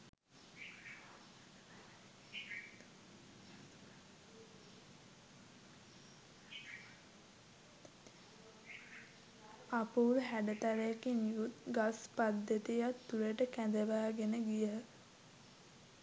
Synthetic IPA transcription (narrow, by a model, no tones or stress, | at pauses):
apuːɾɦæɖət̪aɾejakinijut̪ɡaspad̪ːət̪ijat̪ːuləʈəkæd̪əʋaːɡenəɡijəɦ